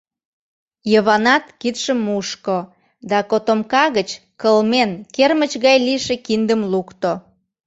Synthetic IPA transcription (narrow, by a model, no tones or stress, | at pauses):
jəβɑnɑt̪kit̪ʃəmːuʃko | d̪ɑkot̪omkɑɣət͡ɕ | kəlmenkermət͡ɕɣɑjliʃekind̪əmlukt̪o